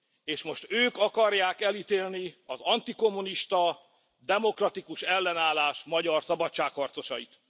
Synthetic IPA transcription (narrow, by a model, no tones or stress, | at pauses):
eːʃmo̞ʃt̪øːkɒkɒrjaːkɛlit̪eːlniɒzɒnt̪iko̞mːuniʃt̪ɒ | d̪ɛmo̞krɒt̪ikuʃɛlːɛnaːlaːʃmɒɟɒrsɒbɒtt͡ʃːaːkhɒrt̪so̞ʃɒ̰jḭt̪